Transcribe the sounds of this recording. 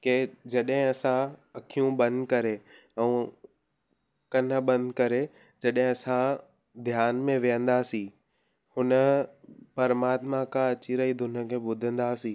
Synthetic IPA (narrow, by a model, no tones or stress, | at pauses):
ked͡ʑɐɗɦɪ̃ɐsãɐkʰijũɓɐ̃nd̪kɐɾe | ɛ̃ | kɐnə̆ɓɐ̃nd̪kɐɾe | d͡ʑɐɗɦɪ̃ɐsã | d̪ʱjaːnmẽʋijə̃nd̪aːsĩ | hʊnə̆pɐɾəmaːt̪makaɐt͡ɕiɾɐid̪ʱʊnə̆kʰeːɓʊd̪ʱə̃nd̪aːsĩː